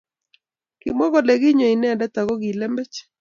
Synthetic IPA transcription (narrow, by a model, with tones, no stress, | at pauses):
kɪ̰˨mɔ˦ɡɔ˨lɛ˨ɡi˦ɲo˨i˨nɛ˦ndɛ˦t̪a˨ɡo˦ɡi˨lɛ˦mbɛ˦t͡ʃ